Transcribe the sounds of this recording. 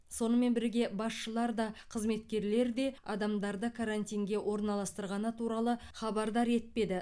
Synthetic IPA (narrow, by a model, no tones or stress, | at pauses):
so̞nəme̞nbɪɾɡʲe̞bɑsʃəlˠɑɾd̪ɑqʰəzme̞t̪kʲe̞ɾle̞ɾd̪e̞ɑd̪ɑmd̪ɑɾd̪əkʰaɾant̪ijŋɡʲe̞wʔo̞ɾnɑlˠɑst̪əɾʁɑnət̪ʰuɾɑlˠəχɑbɑɾd̪ɑɾe̞t̪̚pe̞d̪ɪ